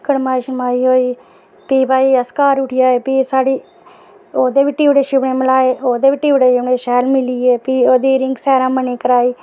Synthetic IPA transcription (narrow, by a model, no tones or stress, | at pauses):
kəɽmaːiːʃəmaːiːɦoːiː | piːbaːiːəskaːɾʊʈʰɪjaːeːpiːsaːɽiː | oːd̪eːʋɪʈːiːʋɽeːʃɪbɳẽːməlaːeːʔoːd̪eːʋɪʈːiːʋɽeːʃɪbneːʃɛːlmɪliːeːpiːoːd̪iːɾɪ̃ŋɡsɛːɾãːməneːkəɾaːiː